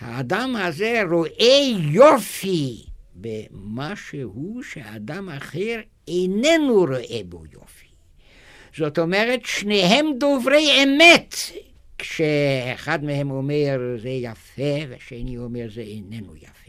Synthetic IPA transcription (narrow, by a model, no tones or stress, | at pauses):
ha̰ːd̪amhazeɾoʔejofibemaʃehuʃea̰d̪amaχeɾ | enenuɾoʔebo̰jo̰fi̥ | z̥ot̪omeʁet̪ʃneɦemd̪ovɾejemet̪ | kʃeeχad̪mehemomeɾzejafeveaʃeniomeɾzeejnenṵja̰fe